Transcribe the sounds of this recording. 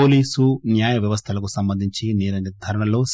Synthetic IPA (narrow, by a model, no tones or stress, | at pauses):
oːliːsunjaːjɐʋjɐʋɐst̪ʰɐlɐkusɐmbɐnd̪ʱiɲt͡ʃinɛːɾɐɡid̪ʱɐɾɐɳɐlo̞ːs